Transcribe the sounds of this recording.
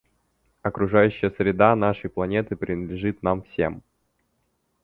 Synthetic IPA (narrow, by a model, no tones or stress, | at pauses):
ɐkɾʊʐajʉɕːɪjəsɾʲɪd̪anaʂəjplˠɐnʲe̞t̪ɨpɾʲɪnəd̪lʲɪʐɨt̪namfsʲḛm